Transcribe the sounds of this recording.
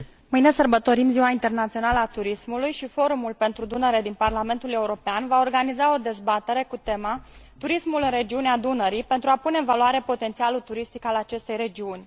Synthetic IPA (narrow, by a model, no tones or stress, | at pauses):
mɨjne̞sərbət̪o̞ɾimziwaint̪e̞rnat̪sio̞naləat̪uɾismulujʃifo̞ɾumulpe̞nt̪ɾud̪unəɾe̞d̪inparlame̞nt̪ule̞uɾo̞peanvao̞rɡanizao̞d̪e̞zbat̪e̞ɾe̞kut̪e̞mat̪uɾismulɨnre̞d͡ʒiunead̪unəɾipe̞nt̪ɾuapune̞ɨnvaluaɾe̞po̞t̪e̞nt̪sialut̪uɾist̪ikalat͡ʃe̞st̪e̞jɾe̞d͡ʒiunʲ